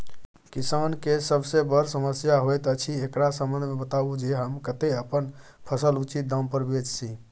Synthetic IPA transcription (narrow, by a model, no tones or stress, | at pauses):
kisankesəbsebəɾsəməsjaɦojt̪ət͡ʃʰiekɾasəmbənd̪ʱmebət̪abud͡ʒeɦəmkət̪eəpənpʰəsəlut͡ʃit̪̚d̪ãm̃pəɾbed͡ʒsʰi